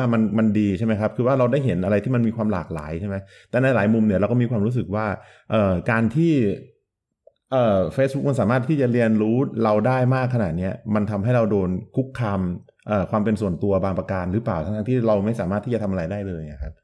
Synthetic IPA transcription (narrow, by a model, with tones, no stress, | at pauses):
ma˧nma˧ndiː˧t͡ɕʰjma˦jkʰa˦˥p̚kʰɯː˧waː˥˩ɾa˧wdaː˥˩jɦe˩˦nʔa˧ɾa˧jt̪ʰiː˥˩ma˧nmiː˧kʰwaː˧mla̰ː˨˩k̚la̰ː˩˦jt͡ɕʰa˥˩ma˦˥j | t̪ɛː˨˩na˧jlaː˩˦jmu˧mni˧˥ɐɾa˧wkɔː˥˩miː˧kʰwaː˧mɾuː˦˥s̬ɯ˨˩k̚waː˥˩ | ʔɤː˨˩kaː˧nt̪ʰiː˥˩ | ʔɤː˨˩feː˧˦˥bu˦˥k̚ma˧nsaː˩˦maː˥˩t̪ʰːiː˥˩t͡ɕa˨˩ɾi˧ənɾuː˦˥ɾa˧wdaː˥˩jmaː˥˩kʰːa˧naː˨˩t̪̚ni˦˥ɐma˧nt̪ʰa˧mɦa˥˩jɾa˧wdoː˧nkʰu˦˥kʰːaː˧m | ʔəː˨˩kʰwaː˧mpe˧nsu˨˩ənt̪u˧ɐbaː˧ŋpɾa˧kaː˧nɾɯː˩˦˥paː˨˩wt̪ʰa˦˥ŋtʰa˦˥ŋt̪ʰiː˥˩ɾa˧wma˥˩jsaː˩˦maː˥˩t̪ʰiː˥˩t͡ɕa˨t̪ʰa˧mʔa˧ɾa˧jdaː˥˩jlɤː˧ja˨˩kʰa˦˥p̚